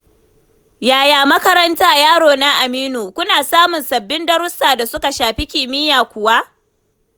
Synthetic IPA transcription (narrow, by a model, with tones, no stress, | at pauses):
jaː˨jaː˨mɐ˦kɐ˦ɾɐ˦ntaː˦jaː˦ɽoː˨na˦ʔa˨miː˦nuː˨kʷʊ˦naː˨saː˦mʊ˨nsɐ˨bːɪ˦ndɐ˦ɾʊ˦saː˨da˨sʊ˦ka˨ʃaː˨ɸi˦kʲɪː˨mɪ˦jaː˨kʷʊ˨wa˦ʔ